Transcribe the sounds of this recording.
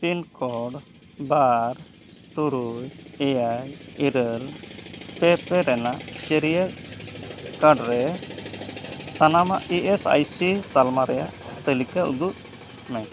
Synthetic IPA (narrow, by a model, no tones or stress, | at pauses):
pinkɔɖ | baɾ | t̪uɾujɛjajiɾəlpɛpɛɾɛnaʔt͡ʃɛɾijə | kaɖɾɛ | sanamaʔiʔɛsa̰jsit̪almaɾɛjaʔt̪əlikaʔṵd̪uʔ | mɛ